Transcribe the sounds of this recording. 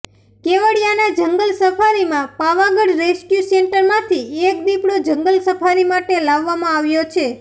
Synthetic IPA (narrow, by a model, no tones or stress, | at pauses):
keʋəɽjanad͡ʒəŋɡəlsəpʰaɾimãpaʋãɡəɽɾeskjuseɳʈəɾmãt̪ʰiek̚b̪ipɽod͡ʒəŋɡəlsəpʰaɾimaʈelaʋːamãaʋjot͡ʃʰe